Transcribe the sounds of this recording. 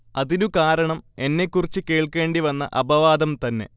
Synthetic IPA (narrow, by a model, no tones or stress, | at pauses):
ɐðinukaːɾɐɳɐme̞nːe̞kːurit͡ɕːɨke̞ːɭke̞ːɳɖiʋɐnːɐ̰ʔɐbɐʋaːd̪ɐmt̪ɐnːe̞̰